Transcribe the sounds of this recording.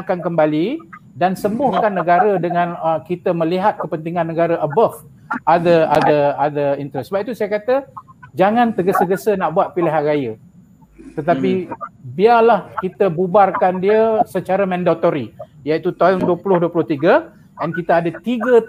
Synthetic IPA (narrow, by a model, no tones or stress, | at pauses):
kankəmbalidansəmbʊhkanːəɡaɾədəŋãnəkit̪əmə̃liɦat̪̚kəpənt̪iŋanːəɡaɾəʔəbaf | ʔad̪əa̰d̪əad̪əint̪əɾɛsəbap̚it̪usajakat̪əd͡ʒaŋãnt̪əɡəsəɡəsənaʔbuat̪̚piliɦanrajə | t̪ət̪apibiarlahkit̪əbubarkandiəsət͡ʃaɾəmɛ̃ndot̪oɾijait̪ut̪aŋduəpulʊhduəpulʊht̪iɡə | ʔɛnkit̪aadət̪iɡə